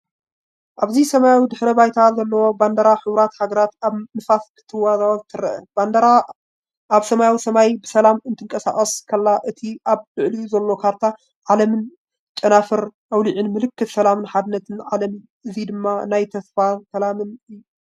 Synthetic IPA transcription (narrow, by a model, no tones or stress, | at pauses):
ʔaβzisɐmajawid̪ɨħɾɐbajt̪ʰalzɐlːɐwo̞band̪ɐɾaħɨwɾat̪haɡɐɾat̪aβnɨfaskʰɨ̥t̪ʰːɨwːazawɐzt̪ʰɨɾɐʔɐ̰band̪ɾa | aβsɐmajawisɐmajbɨsɐlamɨnt̪ʰɨŋkʼɐsa̰χʼɐskʰɐlːaʔɨt̪ʰiʔaβlɨʕliuzɐlːo̞kʰaɾt̪ʰa | ʕalɐmɨn | t͡ʃʼːɐnafɨɾʔawliʕɨnmɨlɨkːɨt̪sɐlamɨnħad̪ɨnːɐt̪ʰɨnʕalɐmɨn | ɨzid̪ɨmːanajt̪ʰɐsfasɐlamɨnɨjːu